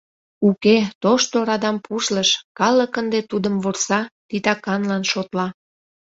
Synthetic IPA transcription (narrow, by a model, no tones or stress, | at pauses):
uket̪oʃt̪oɾɑd̪ɑmpʰuʃləʃkɑləkənd̪et̪ud̪əmβorsɑt̪it̪ɑkɑnlɑnʃot̪lɑ